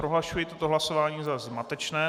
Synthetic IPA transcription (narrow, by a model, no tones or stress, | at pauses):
ɾoɦlaʃujɛt̪ot̪oɦlasovaːɲiːzazmat̪ɛt͡ʃnɛː